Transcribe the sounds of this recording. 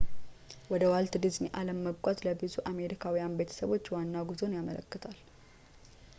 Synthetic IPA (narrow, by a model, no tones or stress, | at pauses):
wɔd̪əwalt̪d̪ɨzmiʔaləmːəbkʼat̪ləbɨzuʔame̞ɾikʰawijanbe̞t̪ʰə̥səβo̞t͡ʃːwanːaɡuzo̞njamələkːɨt̪ʰal